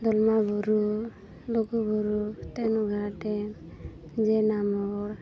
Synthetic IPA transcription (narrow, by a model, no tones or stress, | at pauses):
d̪ɔlmabʱuɾu | lokubʱuɾut̪ɛnɔɡʱaʈɛ | d͡ʒenamɔɾ